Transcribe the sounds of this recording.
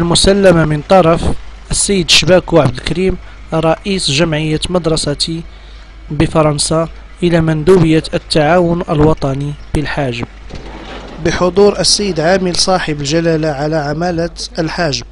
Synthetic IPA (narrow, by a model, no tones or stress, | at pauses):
ʔəlmʊsælːæmamənt̪ˤɑɾˤɑfʔəsːæjːəd̪ʃbækuʕabd̪əlkæɾim | ɾˤɑʔisʒæmʕəjːamɑd̪ɾˤɑsæt̪i | bəfɑɾˤɑnsa | ʔəlæmænd̪ubəjːaət̪ːaʕawʊnʔəlwɑt̪ˤɑnibəlħaʒəm | bəħod̪ˤuɾʔəsːæjːəd̪ʕaməlsˤɑħəbəlʒælælaʕalaʕamælæt̪əlħaʒəm